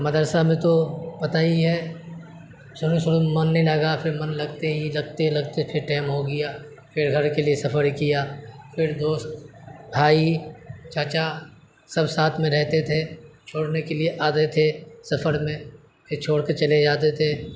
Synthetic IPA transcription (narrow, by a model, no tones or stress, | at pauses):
mɐd̪əɾsamẽt̪opɐt̪aːiɦɛ | sʊɾusʊɾumɐnːɐɦĩlɐɡapʰɪɾmɐnlɐɡt̪eɦilɐɡ̚t̪elɐɡt̪epʰɪɾʈɛːɪmɦoɡɐjaː | pɪɾɡʱɐɾkeliesɐfʰəɾkijaːfʰɪɾd̪oːst̪bʱaːit͡ʃaːt͡ʃa | sɐbsaːt̪ʰmẽɾɛɦt̪et̪ʰet͡ʃʰoːɽnekelieʔaːt̪et̪ʰesɐfʰəɾmẽ | pʰɪɾt͡ʃʰoːɽkɐt͡ʃɐled͡ʒaːt̪et̪ʰe